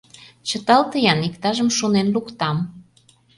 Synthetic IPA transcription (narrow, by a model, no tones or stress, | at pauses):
t͡ɕə̆t̪ɑlt̪əjɑnikt̪ɑʒəmʃonenlukt̪ɑm